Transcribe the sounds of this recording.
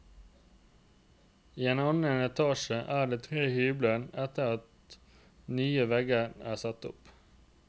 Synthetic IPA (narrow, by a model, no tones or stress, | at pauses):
iːeːnɑnənɛt̪ʰɑːʃəʔæːɖeːt̪ʰʁeːhyːblənɛt̪əʁɑt̪ | nyːəʋɛɡəæ̰ːsɑt̪ʊ̰p